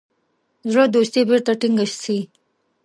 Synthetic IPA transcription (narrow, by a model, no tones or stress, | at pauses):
zɾod̪ost̪ibiɾt̪aʈɪŋɡəɕsʰi